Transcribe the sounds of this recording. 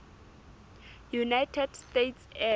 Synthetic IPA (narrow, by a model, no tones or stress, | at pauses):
junajtʰɛd̥stetʰsɛ